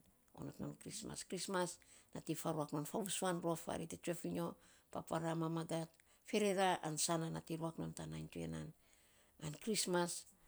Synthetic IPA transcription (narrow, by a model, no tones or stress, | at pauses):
o̞̰no̰tno̰nkɾisma̰skɾismasnatifaɾuakno̞nfaβusuanɾuafa̰ɾitetuefiɲo̞ | pa̰paɾamamaɡat | fe̞ɾe̞ɾaʔansananatiɾuakno̞ntanajntue̞̰nan | ankɾismas